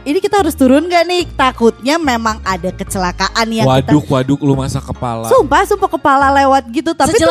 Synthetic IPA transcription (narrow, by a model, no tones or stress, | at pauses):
inikit̪aɦaɾʊst̪uɾʊnŋɡaʔnɪht̪akʊt̪̚ɲamemaŋadakət͡ʃəlakaʔanjawadʊk̚wadʊk̚lumasakəpa̰lasumpahsumpakəpalalewat̪̚ɡit̪ut̪api